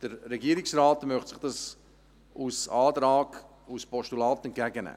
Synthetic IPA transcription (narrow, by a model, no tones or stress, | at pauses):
d̥əɾːɛɡiəɾɪksraːtmœχtsɪχd̥ɑs | ʔusɑːt̪ɾɑːɡ | uspɔʃtulɑːtɛnt̚kɡæɡənɛ̰